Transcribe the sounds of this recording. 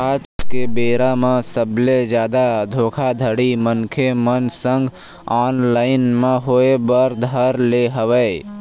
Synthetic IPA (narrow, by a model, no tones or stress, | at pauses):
aːt͡ʃkebeːɾamẽsəbled͡ʒjaːd̪ad̪ʱoːkʰad̪ʱəɽimənkʰemənsə̃ŋɡ | aːnlaːɪnmẽɦoebəɾd̪ʱəɾleɦəʋɛ